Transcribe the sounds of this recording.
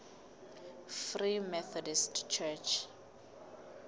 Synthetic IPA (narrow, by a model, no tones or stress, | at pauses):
frimɛθɔdistt͡ʃʰɛt͡ʃʰ